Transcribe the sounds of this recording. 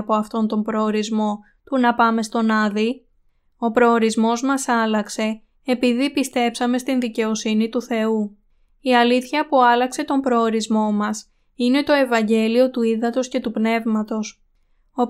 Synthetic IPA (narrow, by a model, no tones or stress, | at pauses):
po̞ɐft̪o̞nt̪o̞mbɾo̞ːɾizmo̞ | t̪unɐpɐme̞st̪o̞nɐði | o̞pɾo̞ːɾizmo̞zmɐsɐlɐkse̞ː | piðipist̪e̞psɐme̞st̪inðice̞o̞sinit̪uθe̞u | iɐliθçɐpuɐlɐkse̞t̪o̞mbɾo̞ːɾizmo̞mɐs | ine̞t̪o̞e̞vɐɲɟe̞lio̞t̪uiðɐt̪o̞sce̞t̪upne̞vmɐt̪o̞s | o